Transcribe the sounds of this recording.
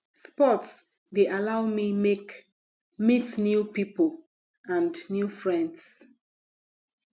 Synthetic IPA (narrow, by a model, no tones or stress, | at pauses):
spɔts | deʔalawmimek | mitnjupipol | ãndnjufɹɛ̃nds